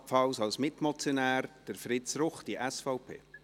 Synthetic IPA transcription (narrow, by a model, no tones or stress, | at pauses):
pfɑwsɑwsmɪtmɔt͡sjonæːɾd̥əɾfɾɪtt͡sɾʊχd̥iʔɛsfɔʊpʰḛː